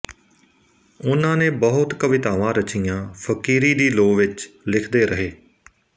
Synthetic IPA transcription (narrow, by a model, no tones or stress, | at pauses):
ʊnãːnẽːbəɦʊt̪kəʋɪt̪aːʋãːɾət͡ʃɪjãːpʰəkiːɾiːd̪iːloːʋɪt͡ʃlɪkʰd̪eːɾəɦeː